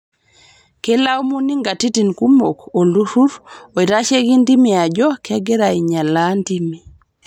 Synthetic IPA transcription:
kelaumu˦ni˦ŋɡa˨ti˦ti˨nku˦mo˨ko˨luɾu˦ɾo˨i˨ɾaʃe˦ɡi˦ndi˦mi˨a˨ɟɔ˦ke˦ɡe˦ɾaiɲa˨landimi˨

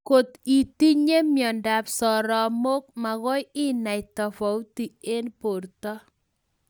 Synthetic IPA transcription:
ko˨t̪i˨ti˦ɲe˦mjɔ˨nda˨psɔ˨ɾɔ˨mo˦k̚ma˨ɣɔ˦jɪ˦na˨ɪ˨tɔ˨fa˨u˦ti˨e˦npo˨ɾtɔ˦

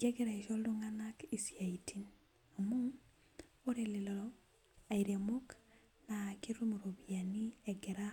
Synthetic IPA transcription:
ɡe˦ɡɛ˦ɾa˨i˨ʃɔ˦ldo˦ŋa˦na˦ki˨sija˨i˨ti˦n | a˨mu˦ŋ | o˦ɾe˨lɪ˨lɔ˨ | a˨i˨ɾja˨mo˦k | na˨ki˦ɾu˦mu˨ɾo˨bi˨a˨ni˦ɛ˨ɡɛ˨ɾa˦

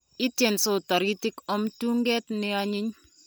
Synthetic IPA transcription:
ɪ˦tje˨nso˨ta˨ɾi˦tɪ˦kɔ˦mtu˦ŋɡɛ˦tnɪ˦a˦ɲɪ˦ɲ

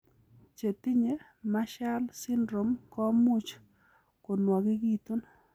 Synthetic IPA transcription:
t͡ʃe˨t̪i˦ɲe˦ | ma˦ʃa˦lsɪ˦ndɾo˨mkɔ˦mu˦t͡ʃ | ko˨nwɔ˨ɡɪ˦ɡi˦˨t̪u˦n

